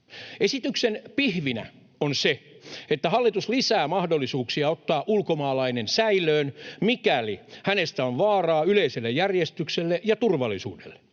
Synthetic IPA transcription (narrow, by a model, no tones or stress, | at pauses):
esit̪yksenpihʋinæ̰ | onse | et̪ːæhɑlːit̪uslisæːmɑhdolːisuːksiɑot̪ːɑːʔulkomɑːlɑinensæilˑøːnmikælihænest̪æonʋɑːrɑːyleiselːejærjest̪ykselːeʔjɑt̪urʋɑlːˑisṵːdḛlːe̥